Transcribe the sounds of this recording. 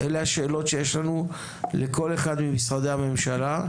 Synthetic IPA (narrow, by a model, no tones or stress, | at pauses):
ʔelehaʃe̞ːlo̞tʃe̞jeʃlanu | leko̞le̞χad̪mimisʁad̪ehame̞mʃala